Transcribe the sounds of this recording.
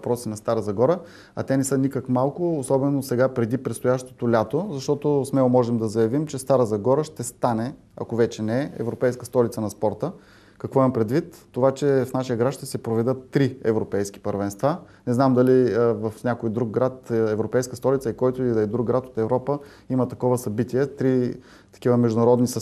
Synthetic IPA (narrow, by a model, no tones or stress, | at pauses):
pɾɔsinɐst̪aɾəzɐɡɔɾə | ɐ̰t̪ɛnɛsɤnikəkmalˠkʊːsɔbɛnosɛɡapɾɛd̪ipɾɛt̪st̪ojaʃt̪o̥t̪olʲat̪ozɐʃt̪ɔt̪osmɛlˠomɔʒɛmd̪ɐzɐjɐvimt͡ʃɛst̪aɾəzɐɡɔɾəʃt̪ɛst̪anɛ | ɐ̰kovɛt͡ʃɛnɛɛɛ̰vɾopɛjskəst̪ɔlʲit̪sənɐspɔɾt̪ə | kɐkvɔimɐmpɾɛd̪vit̪ːovat͡ʃɛfnaʃijəɡɾat̪ʃt̪ɛsɛpɾovɛd̪ɤt̪ːɾiɛvɾopɛjsk̟ʲi̥pəɾvɛnst̪vanɛznamd̪ɐlivɐfnʲakojd̪ɾuɡ̚ɡɾat̪ɛvɾopɛjskəst̪ɔlit̪səikɔjt̪ʊilɐid̪ɾuɡ̚ɡːɾat̪o̥t̪ɛvɾɔpə | imət̪ɐkɔvəsɐbit̪iɛt̪ɾi | t̪ɐ̥kʲivəmɛʒd̪ʊnɐɾɔd̪nisɐ